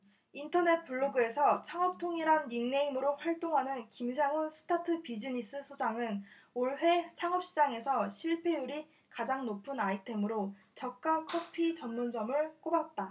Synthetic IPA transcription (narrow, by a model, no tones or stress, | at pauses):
intʰʌne̞t̚p͈uɭːoɡɯe̞sʰʌt͡ɕʰaŋʌp̚tʰoŋiɾanːiŋne̞imɯɾoɸwaɭt͈oŋɦanɯnkims̬ʰaŋunsʰɯ̥tʰatʰɯpid͡ʑiɲis͈ɯsʰod͡ʑaŋɯn | oɭɸwe̞t͡ɕʰaŋʌp̚ɕ͈id͡ʑaŋe̞sʰʌɕʰiɭpʰe̞uɾi | kad͡ʑaŋnopʰɯnaitʰe̞mɯɾo | t͡ɕʌk̚k͈akʰʌpʰit͡ɕʌmnond͡ʑʌmɯɭk͈obat̚t͈a